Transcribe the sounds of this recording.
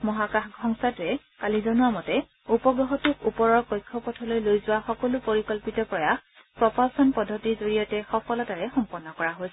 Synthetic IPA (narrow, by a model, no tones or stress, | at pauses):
mɔɦakaxɡʱɔŋsatɹɛ | kalizɔnʊamɔtɛ | upɔɡɹɔɦɔtukupɔɹɔɹkɔjkʰːɔpɔtʰɔlojlojzʊwaxɔkɔlupoɹikɔlpitɔpɹɔjax | pɹɔpasɔnpɔdʱːɔtizoɹijɔtɛxɔpʰɔlɔtaɹɛxɔmpɔnːɔkɔɹaɦojsɛ